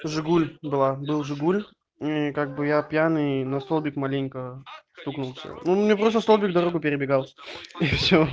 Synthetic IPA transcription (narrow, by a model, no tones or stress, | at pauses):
ʐɨɡulʲbɨlˠabɨlˠʐɨɡulʲ | ikaɡ̚bɨjapʲjanɨnɐst̪olˠbʲɪkmalʲenʲkəst̪uknʊlˠfsʲə̰numnʲep̬ɾost̪əst̪o̞lˠbʲɪk̚d̪ɐɾoɡʊpʲɪɾʲɪbʲɪɡalˠifsʲo